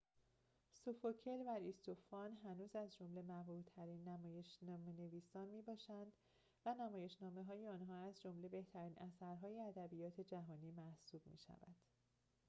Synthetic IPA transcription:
sofocʰelvæɾist̪ofɒːnɦænuːzæzd͡ʒo̞mle̞mævɾuːt̪ʰːæɾiːnːæmɒːje̞ʃnɒːmene̞viːsɒːnmiːbɒːʃænd̪̥ | vænæmɒːje̞ʃnɒːme̞ɦɒːjeɒːnɦɒːæzd͡ʒo̞mle̞be̞ht̪ʰæɾiːnʔæsæɾɦɒːjeæd̪æbijɒːt̪ʰe̞d͡ʒæɦɒːniːmæhsuːb̥̚mḭːʃæ̰væ̰d̪̥

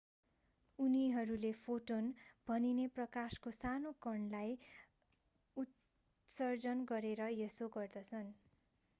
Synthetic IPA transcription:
uniɦʌɾulepʰoʈonb̥ʱʌnineprʌkaskosanokʌɳlaj | ut̪ | sʌrd͡zʌnɡʌɾeɾʌjesoɡʌrd̪ʌt͡sʰʌn

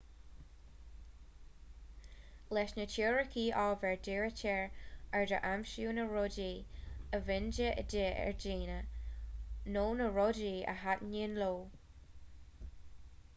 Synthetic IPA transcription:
lɛʃnət͡ʃʰiːɹəkʰiːʔɔːvɛɹdeːɹətʰɛɹɛɹdəʔamʃuːnəɹɔdiːəvɪnd͡ʒəə̰deʔɛ̰ɹd͡ʒiːnə | noːnəɹɔdiːə̰ɦatninloː

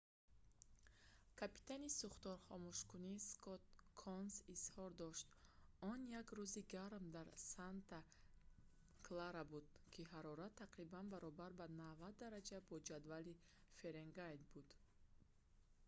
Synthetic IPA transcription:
kʰapi̥t̪ʰanisuχt̪ɔɾχɔmuʃkuniskʰɔt̪̚kʰɔnsishɔɾd̪ɔʃt̪ɔnjaɡɾuziɡaɾmd̪aɾsant̪ʰa | kʰlaɾabud̪̚ | kʰiɦaɾɔɾat̪ʰːaqɾibanbaɾɔbaɾbanavat̪̚ːaɾad͡ʒabɔd͡ʒad̪vali | fe̞ɾeŋɡajd̪bud̪

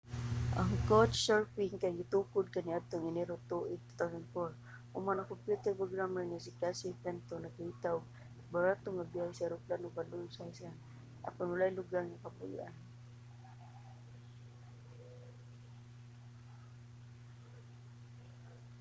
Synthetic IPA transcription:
ʔaŋkot͡ʃsaɹpiŋkaɡit̪ukʊd̪̚kaniad̪̚t̪oŋinɛɾot̪uʔit̪u̥t̪awsanfɔɹ | ʔṵmanakɔmpjut̪ɛɾpɾoɡɾaməɹnasikasipɛnt̪onakait̪aw | baɾat̪ʊŋabiajsaɾʊplanʊkalʊnsajsa | ʔa̰panwalajlʊɡaɾŋakapʊj̰ʔan

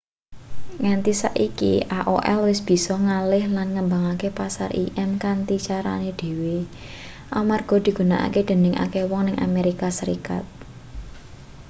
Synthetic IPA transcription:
ŋant̪isa̰ʔikḭʔaʔoʔɛ̰lwɪsb̥i̤sɔŋalɪhlanŋəmbaŋakepasa̰rʔḭʔɛmkant̪it͡ʃaɾa̰ned̪̥e̤we | ʔalmarɡ̥ɔ̤d̪̥i̤ɡ̥ṳnaʔa̰ked̪̥ə̤nɪŋʔa̰kewɔŋnɪŋʔa̰meɾikasəɾḭka̰t̪̚

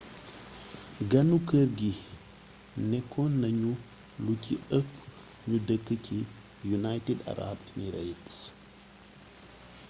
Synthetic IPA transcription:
ɡɐnukəɾɡi | nekʰːonːɐɲu | lukʰiɨp | ɲudɐkːɨkʰi | junajteda̰ɾa̰bniɾejts

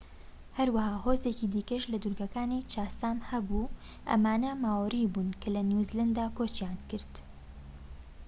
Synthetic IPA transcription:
hɐɾwɐhaːhoːzecid̪ikɐʃlɐd̪uɾɡɐkaːnit͡ʃaːsaːmhɐbu | ʔɐ̰maːnɐmaːwribuːnkʰɐlɐnjuzland̪aːkoːt͡ʃjaːnkɨɾt̪

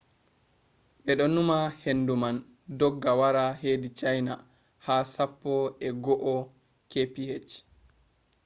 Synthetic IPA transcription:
ɓɛɗɔnumahenduman | dɔɡːawaɾaheːdit͡ʃajna | haːsapːɔɛɡɔʔɔ | kepihet͡ʃ

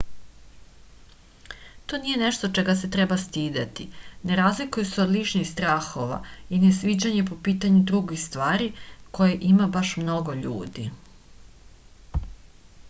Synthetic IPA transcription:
t̪onije̞neʃt̪o̞t͡ʃeɡaset̪ɾebast̪iːd̪at̪ine̞ɾazlikujeseod̪lit͡ʂnixst̪ɾaːxo̞ʋa̰inesʋid͡ʑaɲe̞po̞piːt̪aɲud̪ɾuɡixst̪ʋaːɾiko̞jeʔimabaʃmno̞ɡoʎṵːd̪ḭ

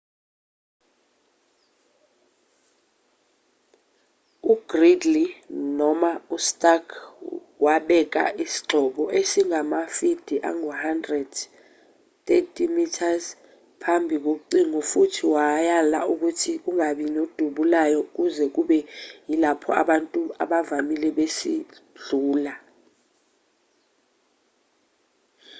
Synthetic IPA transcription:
uɡ̥ridlinɔmaustʼakʰ | waɓɛk̬a̰ʔisi̥ǁʱɔɓɔʔesiŋamafid̥ʱiʔa̰ŋuhandrɛd̥ | tetʼʰimitʰaz | pʰambʱik̬ok̬uǀiŋɔfutʰiwajala̰uk̬utʰik̬uŋaɓinod̥ʱuɓulajɔk̬uzɛk̬uɓɛjilapʰɔ̰a̰ɓantʼua̰ɓavamilɛɓesiɮuːla

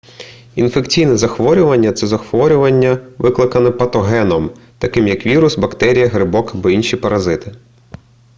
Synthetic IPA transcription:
infekt͡sʲijnɛzɐxʋɔɾʲʊʋɐnʲːɐt̪sɛzɐxʋɔɾʲʊʋɐnʲːɐʋɪklˠɪkɐnɛpɐt̪ɔɦɛnɔmt̪ɐkɪmjɐkʋʲiɾʊsbɐkt̪ɛɾʲijɐɦɾɪbɔkbɔinʃʲipɐɾɐzɪt̪ɪ̥

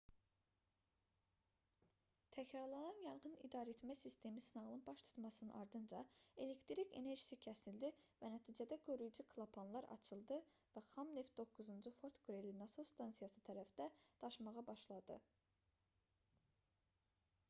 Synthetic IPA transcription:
t̪ʰæcɾɑɾlˠɑnɑnjɑɾʁɯnḭd̪ɑɾe̞t̪mæsist̪ʰe̞misinɑʁlˠɯnbɑʃt̪ʰu̥t̪mɑsɯnɯnʔɑɾd̪ɯnd͡ʒɑe̞le̞kt̪ɾikʰe̞̰ne̞ɾʒisicʰæsild̪ivænæt̪ʰiːd͡ʒæd̪æɡøɾyjd͡ʒukʰlˠɑpʰonlˠɑɾʔɑ̰t͡ʃʰɯlˠd̪ɯvæχɑmnefd̪o̞kːuzund͡ʒufo̞ɾt̪ɡuɾe̞linɑsost̪ɑnsijɑsɯt̪ʰæɾæfd̪̥æd̪̥ɑʃmɑʁɑbɑʃlˠɑd̪ɯ

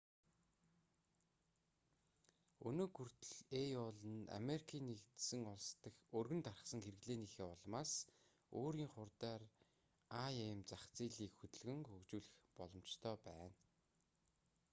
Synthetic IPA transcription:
ɵnɵːɡur̥t̪ɵɮejɔɮə̆na̰meɾikʰiːnːekt̪sɘ̆ŋʊɮst̪ə̆xɵrɣɘ̆nt̪arə̆χsə̆ŋxerɘ̆ɣɮeːniːxeːɔɮmaːs | oːɾiːŋχʊrt̪aːr | ajemt͡saχt͡siːɮiːkxɵt̪ɵ̆ɮɣɘ̆ŋxɵkt͡ɕuːɮɘ̆xpɔɮɞ̆mt͡ɕt̪ʰœːpæːn

